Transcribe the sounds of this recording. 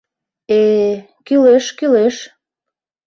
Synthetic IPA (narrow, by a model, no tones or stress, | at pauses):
e | kyleʃkyleʃ